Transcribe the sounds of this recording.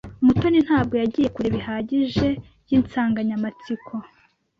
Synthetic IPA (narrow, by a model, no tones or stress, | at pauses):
umuto̞nin̥haːb̚ɡo̞jaɟiːje̞kuɾe̞βihaːɟiʒe̞ | jiːnt͡saːŋɡaɲamat͡sikʰo̞